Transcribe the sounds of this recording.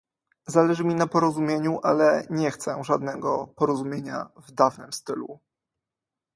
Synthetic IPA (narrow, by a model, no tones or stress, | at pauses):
zalɛʐɘmʲinapɔɾɔzumʲjeɲuʔalɛɲɛxt̪sɛ̰ʐad̪nɛɡɔpɔɾɔzumʲjeɲa̰vd̪avnɘmst̪ɘlṵ